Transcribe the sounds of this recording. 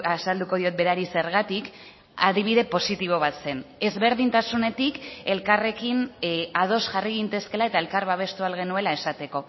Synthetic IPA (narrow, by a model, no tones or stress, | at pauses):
asald̪uko̞ð̞io̞t̪̚be̞ɾaɾise̞ɾɣ̞at̪ik | aðiβ̞iðe̞po̞sit̪iβ̞o̞β̞at̪se̞ne̞zβe̞ɾðint̪asune̞t̪ike̞lkare̞kinað̞o̞sʝariɣint̪e̞ske̞lae̞t̪aelkaɾβaβ̞e̞st̪ualɣe̞nue̞lae̞sat̪e̞ko̞